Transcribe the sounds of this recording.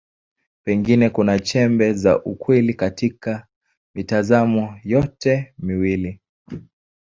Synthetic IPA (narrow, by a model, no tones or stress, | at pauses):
pɛŋɡinɛkunat͡ʃɛmbɛza̰ʔukwɛlikatika | mitazamɔjɔtɛmiwili